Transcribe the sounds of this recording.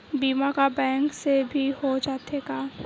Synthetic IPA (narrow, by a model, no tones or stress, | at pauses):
biːmakabɛ̃ːŋksebʱihod͡ʒaːt̪eɡaː